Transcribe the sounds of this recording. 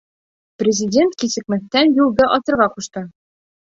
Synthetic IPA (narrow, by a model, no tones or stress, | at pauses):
prʲɪzʲɪdʲent̪̚kisɘ̆kmɘ̆θt̪ːænjulˠd̪ɤʔɒsɤ̆ɾʁɑquʃt̪ɤ